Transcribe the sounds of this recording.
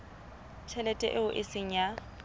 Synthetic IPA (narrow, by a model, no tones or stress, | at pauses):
t͡ʃʰɛlɛtʼɛ̰ʔɪʊʔeseŋ̩ja